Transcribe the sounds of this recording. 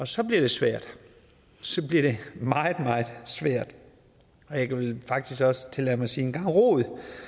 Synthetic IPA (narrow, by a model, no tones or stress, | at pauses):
ɒ̽sɒ̽b̥liɐɾ̥e̝sʋæɐ̰d̥ | sɒ̽b̥liɐɾ̥e̝mɑ̈ːɪð̩ˠmɑ̈ɪð̩ˠsʋæɐ̰d̥ | ɒ̽jɑ̈ɪkʰæʋe̝lfɑ̈ɡ̥̚d̥isɡ̥ɒ̽sə̥t͡sʰe̝læʊmɑ̈ɪsiːenɡ̥ɑ̈ŋʁo̰ːð̩ˠ